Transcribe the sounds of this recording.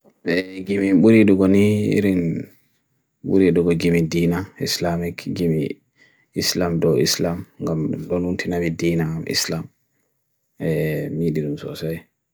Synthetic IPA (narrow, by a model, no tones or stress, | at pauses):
ɛɡimiɓuɾiɗuɡɔnḭɾin | ɓṵɾiɗuɡɔɡimidinaislamikɡimḭ | islamdɔwḭslamŋɡamɗɔnuntʰinabidinaamʔḭslam | ɛmiɗiɗumsɔ̰saj